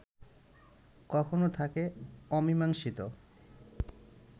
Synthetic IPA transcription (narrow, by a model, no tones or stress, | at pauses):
kɔkʰonot̪ʰakeɔmimaŋʃit̪o